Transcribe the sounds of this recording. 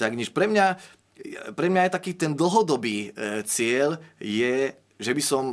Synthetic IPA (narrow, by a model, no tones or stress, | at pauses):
t̪aɡɲɛʃpɾɛmɲa | pɾɛmɲajt̪akiːt̪ɛnd̪l̩ɦɔd̪ɔbiːt͡sɪɛʎjɛ | ʒɛbisɔm